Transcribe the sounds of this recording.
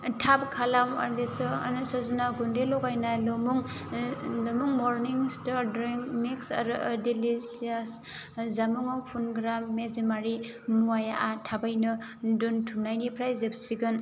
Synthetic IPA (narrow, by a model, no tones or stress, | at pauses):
tʰab̚kʰalama̰ɾbesɔnsɔzunaɡundelɔɡajnalɔmuŋ | lɔmuŋmɔɾniŋstaɾdɾiŋmiksa̰ɾdilisiaszamuŋawpʰunɡɾamːezemaɾi | muajaʔatʰabajnɯduntʰumnajnipʰɾajzepsiɡɯn